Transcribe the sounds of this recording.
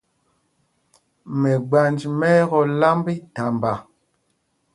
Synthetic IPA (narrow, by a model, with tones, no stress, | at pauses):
mɛ˨ɡ͡ba˨nd͡ʒmɛ˦ɣɔ˦la˦mbi˦ta˨mba˨